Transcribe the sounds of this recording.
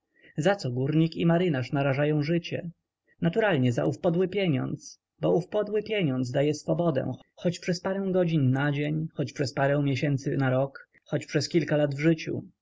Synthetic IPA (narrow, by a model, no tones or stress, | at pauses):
zat̪sɔɡuɾɲikimaɾɘnaʂnaɾaʐajɔ̃w̃ʐɘt͡ɕɛ̰ | nat̪uɾalɲɛza̰ʔufpɔd̪wɘpʲjɛɲɔ̰nt̪s | bɔufpɔd̪wɘpʲjɛɲɔnd̪zd̪ajɛsfɔbɔd̪ɛ̰̃xɔt͡ɕpʂɛspaɾɛw̃ɡɔd͡ʑinːad͡ʑeɲxɔt͡ɕpʂɛspaɾɛ̃w̃mʲjɛɕɛnt̪sɘnaɾɔk | xɔt͡ɕpʂɛskʲilkalad̪vʐɘt͡ɕṵ